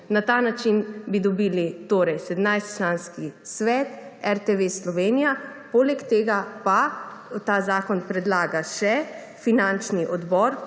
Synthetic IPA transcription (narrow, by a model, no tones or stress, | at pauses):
nat̪aːnat͡ʃinbid̪ɔbiːlit̪oːɾɛjsɛd̪mnajst̪t͡ʃlaːnskisʋɛːt̪ɛɾt̪eʋeslɔʋeːnijapoːlɛkt̪eːɡapat̪aːzaːkɔnpɾɛd̪laːɡaʃɛ | finant͡ʃniʔɔd̪bɔɾ